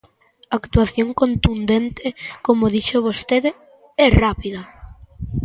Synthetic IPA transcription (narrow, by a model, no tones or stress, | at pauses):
akt̪uaθjoŋkont̪und̪ent̪ɪkomoð̞iʃoβ̞ost̪eðe | ɛrapiðɐ